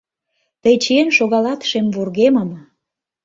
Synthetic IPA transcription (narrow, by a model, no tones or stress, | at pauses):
t̪əjt͡ɕeenʃoɣɑlɑt̪ʃemvurɣemə̆m